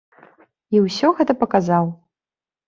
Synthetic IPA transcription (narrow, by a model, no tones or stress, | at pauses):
iwsʲɔɣɛt̪ɐpɐkazaw